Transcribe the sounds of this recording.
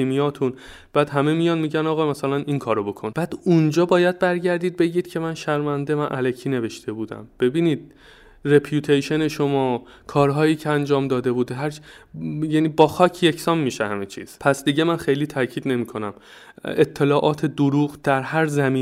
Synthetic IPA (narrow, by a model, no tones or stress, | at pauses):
imijɒːt̪ʰun | b̥æːd̪ɦæmemijɒnmiːɟænɒːɣɒːmæsælæniŋkʰɒːɾobo̞kʰonb̥æːd̪̥und͡ʒɒːbɒːjæd̪̚bæɾɟæɾd̪iːd̪̚be̞ɟiːd̪̥cʰe̞mænʃæɾmænd̪e̞mænʔælecʰiːne̞ve̞ʃt̪ʰe̞buːd̪æ̰mb̥e̞biːniːd̪̥̚ | repʰjuːt̪ʰejʃe̞ne̞ʃo̞mɒː | kʰɒːɾɦɒːjiːcʰeænd͡ʒɒːmd̪ɒːd̪e̞buːd̪ɦæɾ | jæːniːbɒːxɒːcʰje̞cʰsɒːmːiːʃḛhæ̰met͡ʃʰḭz̥pʰæsd̪iɟemænxe̞jliːt̪ʰæcʰiːd̪ne̞miːkʰo̞næm | et̪ʰːe̞lɒːʔɒːt̪ʰe̞d̪oɾuːɣd̪̥æɾhæɾzæmiː